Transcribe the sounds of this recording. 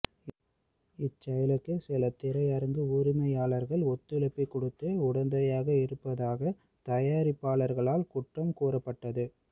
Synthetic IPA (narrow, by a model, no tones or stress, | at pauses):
ɪt͡ʃːɐjɐlɯkːɯsɪlɐt̪ːɪɾɐjɐɾɐŋɡɯuːɾɪmɐjaːlɐɾɣɐɭɔt̪ːɯlɐpːɐɪkːɔɽɯt̪ːɯʊɽɐnd̪ɐjaːɣɐɪɾɯpːɐðaːɣɐ | t̪ɐjaːɾɪpːaːlɐɾɣɐɭaːlkʊʈrɐmkuːrɐpːɐʈːɐðɯ